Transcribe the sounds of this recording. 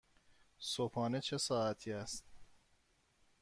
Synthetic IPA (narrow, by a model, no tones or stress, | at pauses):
sopʰɒːnet͡ʃʰe̞sɒːæt̪ʰiːæst̪